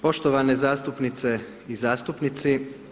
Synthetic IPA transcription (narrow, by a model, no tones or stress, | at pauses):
po̞ʃt̪oʋanezaːst̪upnit̪se̞ | izaːst̪upnit̪si